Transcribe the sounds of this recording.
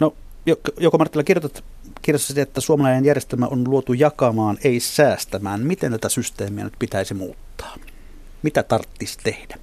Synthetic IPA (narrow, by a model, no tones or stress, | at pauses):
no | jokjokomɑrt̪ːˑilːˑɑkirjot̪et̪ | kirjosːɑsiteet̪ːæsuomɑlɑˑinejjærjest̪elmæ̰onluot̪ujɑkɑmɑːneˑisæːst̪æmæːnmit̪ent̪æt̪æsyst̪eːmiɑ̰nyt̪̚pit̪æˑisimṵːt̪ːɑ̥ː | mit̪æt̪ɑrt̪ːist̪ehd̥æ